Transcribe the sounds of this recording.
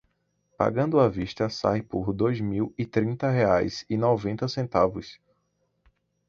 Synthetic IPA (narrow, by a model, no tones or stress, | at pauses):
pa̰ɡɐ̃nd̪ʊɐviʃt̪ɐsa̰jpʊɾd̪ojzmiwɪt̪ɾĩnt̪ɐɦeajsɪnɔvẽnt̪ɐsẽnt̪avʊ̰s